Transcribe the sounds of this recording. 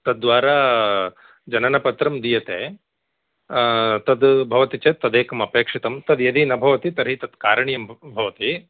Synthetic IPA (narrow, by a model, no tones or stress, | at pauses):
t̪ɐd̪̚ːʋaːɾaː | d͡ʒɐnɐnɐpɐt̪ɾɐmd̪ijɐt̪eː | t̪ɐd̪bʱɐʋɐt̪it͡ʃet̪ɐd̪eːkɐmɐpjeːkʂit̪ɐmt̪ɐd̪jɐd̪inɐbʱɐʋɐt̪it̪ɐɾɦit̪ɐd̪kaːɾɐɳjɐmbʱɐʋɐt̪i